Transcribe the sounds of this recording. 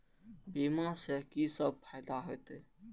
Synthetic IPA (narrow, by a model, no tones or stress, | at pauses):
bimasekisəb̚pʰajd̪aɦojt̪